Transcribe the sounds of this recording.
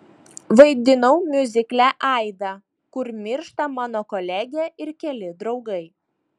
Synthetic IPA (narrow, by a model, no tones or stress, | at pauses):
ʋɐɪd̪ʲɪnɐʊmʲʊzʲɪklʲæʔɑˑɪd̪ɑː | kʊɾmʲɪɾʃt̪ɐmɑːnoːkɔlʲæɡʲɛɪɾkʲɛlʲɪd̪ɾɒʊɡɐɪ